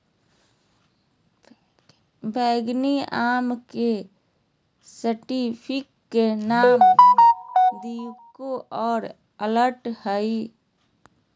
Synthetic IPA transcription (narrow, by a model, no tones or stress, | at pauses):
bʱɛːɡniaːmke | səʈipʰɪkːenaːm | d̪ijkːoʔɔːɾ | ələɾʈhəi